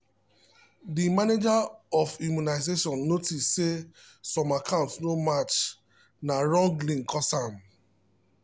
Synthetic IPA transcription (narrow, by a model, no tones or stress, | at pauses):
dimaned͡ʒaɔfimjunaɪzeʃɔ̃nːotisse | sɔ̃makʰãʊ̃ntsnomat͡ʃ | naɹɔ̃ŋɡlĩŋkʰɔsam